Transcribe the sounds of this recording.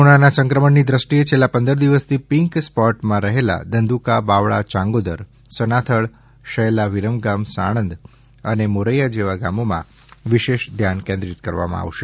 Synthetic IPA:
ɽ̃anasə̃ŋkɾəməɳnid̪ɾəsʈiet͡ʃʰelːãpə̃nd̪əɾd̪iʋəst̪ʰipiŋkspɔʈmãɾəɦela̰d̪ənd̪ʱukabaʋɭa̰t͡ʃãŋɡod̪əɾ | sənat̪ʰəɭ | ʃəlaʋiɾəmɡamsa̰ɽ̃ə̃nd̪ | ənemoɾəjad͡ʒeʋaɡamomã̰ | ʋiʃeʃd̪ʱjankẽnd̪ɾit̪kəɾʋa̰mã̰a̰ʋʃe

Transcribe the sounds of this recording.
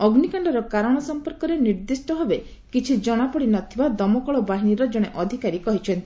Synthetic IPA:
ɔɡnikaɳɖɔɾɔkaɾɔɽ̃ɔsɔmpɔɾkɔɾeniɾd̪isʈɔɦebe | kit͡ʃʰid͡ʒɔɽ̃apɔɽinɔt̪ʰibad̪ɔmɔkɔɭɔbaɦiɽ̃iɾɔd͡ʒɔɽ̃eʔɔd̪ʱikaɾikɔɦit͡ʃʰɔnt̪i̥

